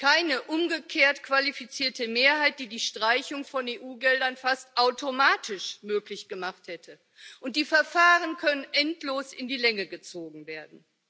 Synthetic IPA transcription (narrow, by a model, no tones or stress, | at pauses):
kaɪnəʔʊmɡəkʰeːɐtkv̥alifit͡siːɐtəmeːɐɦaɪt̚d̥iːdiːʃtʁ̥aɪçʊŋfɔneːʔuːɡɛldɐnfastʔaʊtomaːtʰɪʃmøːklɪçɡ̥əmaχthɛtʰə | ʔʊnt̚d̥iːfɛɐfaːʁənkʰœnənʔɛntloːsɪ̰ndiːlɛŋəɡət͡soːɡŋ̩veːɐdn̩